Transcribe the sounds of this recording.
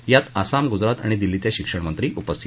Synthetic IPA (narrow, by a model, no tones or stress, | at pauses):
jat̪asamɡud͡zɾat̪a̰ɽ̃id̪ilːit̪jaɕikʂəɽmənt̪ɾiːʔupəst̪ʰi